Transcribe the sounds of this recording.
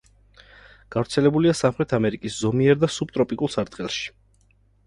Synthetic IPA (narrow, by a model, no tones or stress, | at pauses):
ɡ̥avɾt̪sʰɛlɛbuliasamχɾɛt̪ʰamɛɾikʼiszɔmiɛɾd̪asub̚t̪ʼɾɔpʼikʼulˠsaɾd̪χɛlˠʃi̥